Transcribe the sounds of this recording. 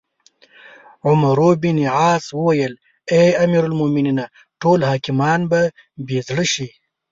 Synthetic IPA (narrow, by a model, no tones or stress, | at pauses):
ʕʊmaɾobiniʕɑːswəwajəl | eamiːɾalmominina | ʈolhɑːkɪmɑːnba | bezɽəʃi